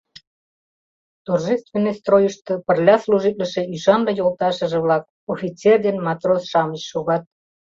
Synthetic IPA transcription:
t̪orʒest̪venːəjst̪rojəʃt̪ɤ̆pə̆rlʲɑsluʒit̪̚lə̆ʃe̽yʃɑnd̪ɤjolˠt̪ɑʃə̆ʒĕβlɑk̚ | ofʲit͡serd̪enmɑt̪rosʃɑmət͡ɕʃoɣɑt̪̚

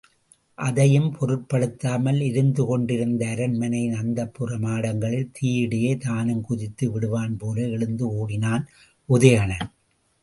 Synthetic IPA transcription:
ʔɐðɐjɯmpʰɔɾɯʈpɐɽɯt̪ːaːmɐlɪɾɯnd̪ɯkɔɳɖɪɾɯnd̪ɐːɾɐnmɐnɐɪnɐnd̪ɐpːɯrɐmaːɽɐŋɡɐɭɪlt̪ʰiːɽɪjeːt̪aːnɯmkʊðɪt̪ːɯʋɪɽɯʋaːnpoːɾɐɛɭɯnd̪ɯoːɽɪnaːn | ʔʊðɐjɐnɐn

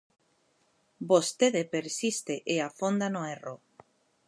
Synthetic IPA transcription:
bost̪eðepeɾsist̪eʔeafond̪anoero

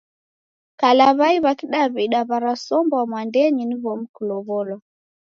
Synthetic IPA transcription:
kalaβaiβakiɗaβiɗaβaɾasɔmbɔwamwandɛɲiniβɔm̩kulɔβɔlɔ

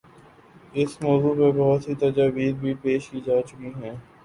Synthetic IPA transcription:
ɪsmɔːzupebɔɦʊt̪ɦit̪ɐd͡ʒaːbiːd̪̚bʱipeːʃkiːd͡ʒaːt͡ʃʊkiɦɛ̃ː

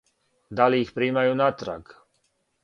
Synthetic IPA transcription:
d̪aliːxpɾiːmajuːnat̪ɾa̰k

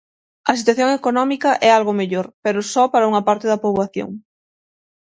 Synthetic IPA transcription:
ɐsit̪waθjoŋekonɔmikɐʔɛalɣʊmeʎoɾpeɾʊsɔpaɾɐuŋɐpaɾt̪ɪðɐpoβwaθjo̰ŋ

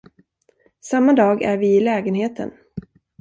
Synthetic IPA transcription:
samːad̪ɑːɡæɾvɪɪlɛːɡənɦeːt̪ʰə̰n

